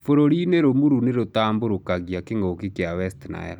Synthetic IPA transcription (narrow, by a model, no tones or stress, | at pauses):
foɾoɾineɾomuɾuneɾotaːmboɾokaɣjakeŋɡokekeawɛstna̰ɛ̰ɾɔ